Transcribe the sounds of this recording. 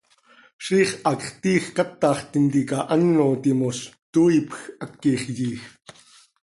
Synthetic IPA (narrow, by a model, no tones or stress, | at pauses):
ʃiːχʔɑkχt̪iːxkɑt̪ːɑːχt̪int̪ikɑʔɐnːoːt̪imost̪uːipxʔakːiχjiːx